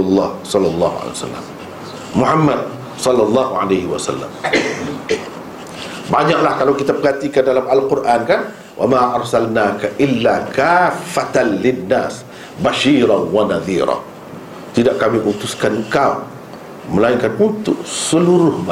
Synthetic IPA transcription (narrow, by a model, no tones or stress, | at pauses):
ʊlːɑːhsɑlːɑlˤːɑːɦuʕa̰lḛsa̰lːa̰mː | uħamːad̪̚ | sɑlːɑlˤːɑɦuʕa̰lajhɪwasa̰lːa̰m | baɲaʔlahkalawkit̪apəhat̪ikandalamalqʊrʔankan | wʔa̰maʔɑɾˤsalnakaʔɪlːakafːat̪anlɪnːaːs | baʃiːɾanwanaðḭːɾa̰ | t̪idaʔkamiʔut̪uskanŋkaṵ | məlaiŋkanunt̪ʊksəluɾʊhma